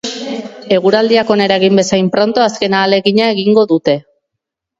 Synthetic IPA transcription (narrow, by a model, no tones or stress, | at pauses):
e̞ɣ̞uɾald̪iako̞ne̞ɾaeɣ̞imbe̞sajmpɾo̞nt̪o̞aske̞naːle̞ɣiɲae̞ɣiŋɡo̞ðut̪e̞